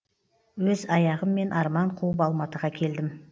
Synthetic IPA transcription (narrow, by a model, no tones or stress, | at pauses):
wɵzɑjɑʁəmːe̞nʔɑɾmɑɴqʰuəpɑlˠmɑt̪əʁɑkʲʰe̞ld̪ɪm